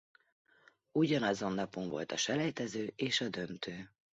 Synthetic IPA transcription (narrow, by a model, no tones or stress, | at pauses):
uɟɒnɒzo̞nːɒpo̞ɱvo̞̰lt̪ɒʃɛlɛjt̪ɛzøːʔeːʃɒd̪ø̞nt̪øː